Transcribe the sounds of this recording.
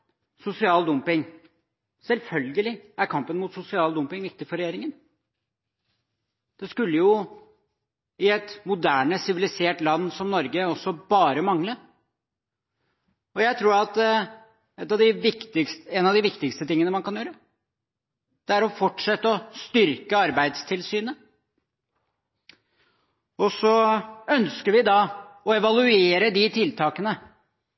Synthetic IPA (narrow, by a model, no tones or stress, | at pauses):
sʊsɪɑːld̪ʊmpɪŋ | sɛlfœlɡəlɪæɾkʰɑmpənmuːt̪sʊsɪɑːld̪ʊmpɪŋʋɪk̚t̪ɪfɔɾɛjeːɾɪŋən | d̪̥ɛskʉlːəjʊ | ɪɛt̪mʊd̪æːɳəsɪʋɪlɪseːʈlɑnːsɔmnɔɾɡəɔsːɔbɑːɾəmɑŋlə | ɔjæɪt̪ʰɾuːɾɑt̪d̪ɛ | ɛt̪ːɑʋd̪ɪʋɪkt̪ɪkst̪ɛnɑʋd̪ɪʋɪkt̪ɪkst̪ət̪ɪŋːənəmɑnkʰɑnjøːɾə | d̪̥ɛæɾɔfɔʈʂɛt̪ːəɔst̪ʏɾkəɑɾbæɪd̪st̪ʰɪlsyːnə | ɔsɔœnskəɾʋɪd̪ɑɔɛʋɑlˠʉeːɾəd̪ɪt̪ʰɪlt̪ʰɑːkənə